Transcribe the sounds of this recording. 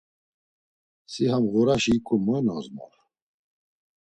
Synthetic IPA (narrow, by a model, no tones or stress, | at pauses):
siɦamɣuɾaʃiːkʼumɔɛnɔ̰zmɔ̰ɾ